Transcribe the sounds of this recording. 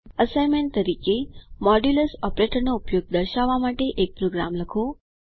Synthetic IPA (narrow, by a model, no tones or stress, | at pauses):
əsajmeɳt̪əɾikemɔɖjuləsɔpɾeʈəɾnoupjoɡ̚d̪əɾʃaʋːamaʈeʔek̚pɾoɡɾa̰mləkʰo